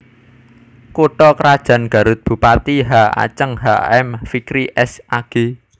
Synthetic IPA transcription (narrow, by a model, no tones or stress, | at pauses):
koʈɔkɾad̥ʒ̥ä̤nɡ̥ä̤ɾʊt̪̚b̥ṳpat̪iɦaa̰t͡ʃəŋɦaɛmfikɾiʔɛsʔaɡ̥e̤